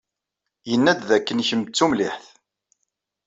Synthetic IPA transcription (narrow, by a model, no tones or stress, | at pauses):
jənːæd̪ðækːənçəmt͡sːumliħθ